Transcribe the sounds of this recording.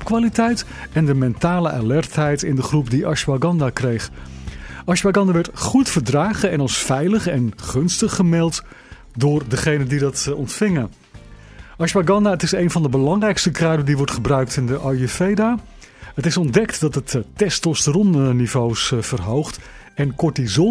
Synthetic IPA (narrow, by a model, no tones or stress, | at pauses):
ɔpkʋaːlitɛjt | ɛndəmɛntaːləʔa̰lɛrtɦɛjtɪndəχrup̚diʔɑʃwaɡɑndaːkrejχ | ʔɑʃbaɡɑndaʋɛɹtχutfəɹdraːχəɛnɑlˠsfɛjləχɛnχɵnstəχːəmɪlˠt | dʊːrdəχejnəndidɑtɔntfɪŋən | ʔɑʃbaɡɑndaətɪsejnvɑndəbəlɑŋrɛjkstəkraːdədiʋɔɹtχəbrœɥk̚tɪndəʔajəfejdaː | ətɪsɔndɛktdɑtɦətːɛstɔstərɔnnivowsfərɦowχt | ɛnkɔɹtizɔ